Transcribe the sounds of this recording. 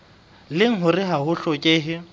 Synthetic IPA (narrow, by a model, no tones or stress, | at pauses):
lɪŋ̩ɦʊrɪɦaɦʊɬɔkʼeɦɪ